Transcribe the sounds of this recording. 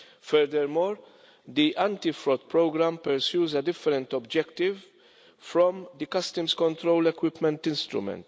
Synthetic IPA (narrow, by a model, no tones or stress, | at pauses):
fɛɾd̪ɛɾmɔːɾ | d̪iʔɐ̃nt̪ifɾɔd̪pɾɔɡɾɐmpɛɾsjuːzɐd̪ɪfːɛɾɛ̃nt̪ɔbd͡ʒɛkt̪ɪv | fɾɔmd̪ikɐst̪əmskɔ̃nt̪ɾowlɛkwɪpmɛ̃nt̪ɪ̃nst̪ɾʊ̰mɛ̰nt̪